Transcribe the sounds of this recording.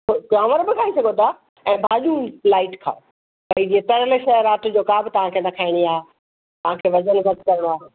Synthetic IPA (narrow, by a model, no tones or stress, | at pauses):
kaːməɾbɪkʰaːisɐɡʱot̪ʰa | ɛ̃ːbʱaːʄũlaːɪʈkʰa̰ːo | pɐid͡ʑiet̪ɐɾələʃɐəɾaːʈd͡ʑoːkaːbɪt̪ɐʋ̤ãkʰenɐkʰaːɪɽ̃iaːɦe | t̪ɐʋ̤ãkʰeːʋɐd͡ʑənɡʱɐt̪kɐɾəɽ̃oaːɦe